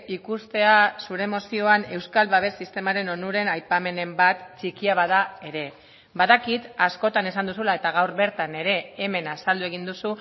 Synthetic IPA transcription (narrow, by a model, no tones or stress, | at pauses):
ikust̪e̞asuɾe̞mo̞sio̞ane̞wskalβaβ̞e̞sist̪e̞maɾe̞no̞nuɾe̞najpame̞ne̞mbat̪t͡ʃikiaβaðae̞ɾe̞ | baðakit̪asko̞t̪ane̞sand̪usulae̞t̪aɣ̞awɾβe̞ɾt̪ane̞ɾe̞ːme̞nasald̪ue̞ɣ̞ind̪usu